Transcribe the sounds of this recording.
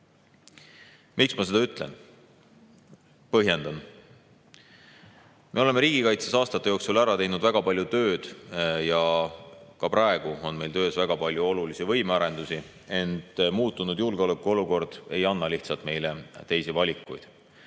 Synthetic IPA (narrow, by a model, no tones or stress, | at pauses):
mʔiksmɑse̞d̪̥ɑyt̪ˑle̞̰n | pɤɦje̞nd̪ɑn | me̞o̞lemeɾiːɡ̥ikɑjt̪sesɑːst̪ɑt̪ːˑe̞jo̞ːksulæɾɑt̪e̞jnud̪væɡ̥ɑpɑlʲjut̪ø̞ːd̪̥jɑ | kɑpɾɑe̞ɡ̥uo̞nme̞jlt̪ø̞ːsvæɡ̥ɑpɑlʲjuo̞lulisivɤ̞jmeɑɾe̞nd̪̥usi | e̞nt̪ˑmuːt̪ːˑunud̪julɡ̥eo̞lekːˑuo̞luko̞rd̪̥e̞̰jɑnːɑliht̪sɑlt̪me̞jlet̪e̞jsivɑlʲikːˑṵjd̪̥